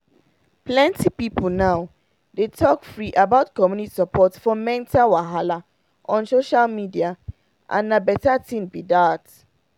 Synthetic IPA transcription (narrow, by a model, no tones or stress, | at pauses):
plɛ̃ntipipl̩naʊ | detʰɔkfɹiʔabaʊtkɔmjuniti̥sapɔtfɔmɛ̃ntawaɦala | ʔɔ̃nsoʃalmidia | ʔã̰nːabɛtatĩnbidat